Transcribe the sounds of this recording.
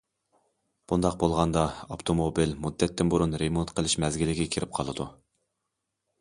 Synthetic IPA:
b̥und̪ɑq̚bolˠʁɑnd̪ɑopt̪ʰomobilmud̪ːɛt̪ʰːɪnbuɾunɾemont̪qʰəlˠɪʃmɛzɡʲilɪɡʲɛkʲʰiɾɪp̚qʰɑ̰lˠɨd̪u

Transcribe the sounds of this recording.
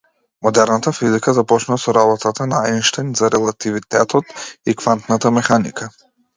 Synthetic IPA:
mɔd̪ɛɾnat̪afizikazapɔt͡ʃnuvasɔɾaβɔt̪at̪anaajnʃt̪ajnt̪zaɾɛlˠat̪ivit̪ɛt̪ɔt̪ikvant̪nat̪amɛxanḭkʰa

